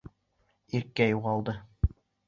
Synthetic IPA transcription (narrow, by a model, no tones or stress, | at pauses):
iɾkæjuʁɑlˠd̪ɤ